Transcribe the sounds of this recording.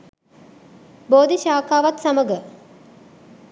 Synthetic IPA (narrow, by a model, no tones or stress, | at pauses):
boːd̪iʃaːkaːʋat̪saməɡə